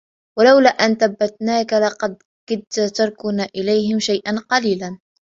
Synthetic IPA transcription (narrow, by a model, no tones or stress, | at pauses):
walawlaːʔanθabːat̪naːkalɑqɑd̪̚ | kɪd̪̚t̪at̪ɑɾˤkʊnaːʔɪlajɦɪmʃajʔanqɑliːlan